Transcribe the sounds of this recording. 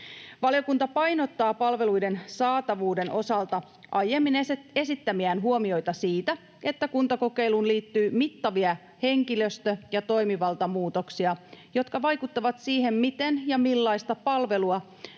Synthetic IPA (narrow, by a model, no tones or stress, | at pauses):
ʋɑlijo̞kunt̪ɑpɑjno̞t̪ːɑːpɑlʋe̞lujde̞nsɑːt̪ɑʋuːde̞nʔo̞sɑlt̪ɑ | ʔɑje̞mːine̞sit̪ːæmiænɦuo̞mio̞jt̪ɑsiːt̪æ | e̞t̪ːækunt̪ɑko̞ke̞jlunliːt̪ːyːmit̪ːɑʋiɑ | he̞ŋkiløst̪øjɑt̪o̞jmiʋɑlt̪ɑmuːt̪o̞ksiɑjo̞t̪kɑʋɑjkut̪ːɑʋɑt̪siːɦe̞mmit̪enjɑmilːɑist̪ɑpɑlʋe̞luɑ